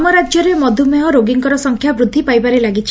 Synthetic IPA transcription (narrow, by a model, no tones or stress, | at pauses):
mɔɾad͡ʒjɔɾemɔd̪ʱumeɦɔɾoɡiŋkɔɾɔsɔŋkʰjabɾud̪ʱːipajbaɾelaɡit͡ʃʰ